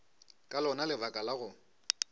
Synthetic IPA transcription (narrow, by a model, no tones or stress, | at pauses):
kʼalɔnalɪvakʼalaɣʊ